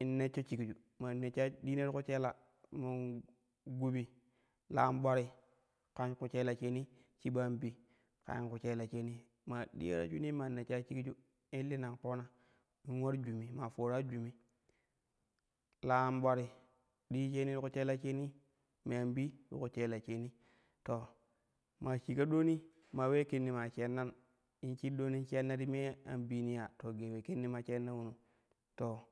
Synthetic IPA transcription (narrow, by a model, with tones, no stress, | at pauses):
i˨nːe˦t͡ʃːo˦t͡ʃi˨ki˨t͡ʃu˨ | ma˨ne˨t͡ʃa˦di˦ne˦ɾku˦t͡ʃe˦la˨ | ma˨ | ɡu˦bi˨ | la˦mɓʷa˦ɾi˦ | ka˦nku˦t͡ʃe˦la˨t͡ʃe˦ni˦t͡ʃi˦ɓa˦mbi˦ | ka̰˨˦i˦nku˨t͡ʃe˦la˨t͡ʃe˦ni˦ | ma˨ɗḭ˦ja̰˦ɾa̰˦t͡ʃu˦ni˦ma˨ne˨t͡ʃa˦t͡ʃi˦i˦t͡ʃu˦ | i˦lːi˦na˨ŋpo˦na˨ | i˦nwa˦ɾd͡ʒu˨mi˨ma˨fo˨ɾa˦d͡ʒu˨mi˦ | la˦˨mɓʷa˦ɾi˨ | ɗi˦t͡ʃe˦ni˦u˦ku˦t͡ʃe˦la˦t͡ʃe˦ni˦ | me˨a˨mbi˦ɗṵ˦ku˨t͡ʃe˦la˨t͡ʃe˦ni˦ | to˨ | ma˨t͡ʃi˨ka˦ɗo˦ni˦ | ma˨we˦ke˦nːi˨ma˨t͡ʃe˦nːa˦n | i˦nt͡ʃi˦ɗo˦ni˦t͡ʃe˦nːa˦ti˦me˦a̰˨mbi˦ni˦ja˨to˨ɡe˨we˨ke˦nːi˦ma˨t͡ʃe˦nːa˦wu˨nu˨ | to˨